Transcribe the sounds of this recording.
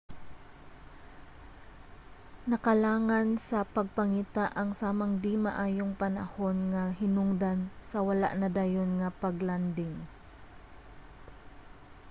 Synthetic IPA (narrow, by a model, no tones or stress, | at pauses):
nɐkɐlaːŋansɐpɐɡ̚pɐŋiːt̪aʔɐŋsaːmɐŋd̪imaʔaːjoŋpɐnɐ̰ho̞nŋɐɦɪnʊŋd̪ansɐwɐla̰ʔnɐd̪ajonŋɐpɐɡland̪ɪŋ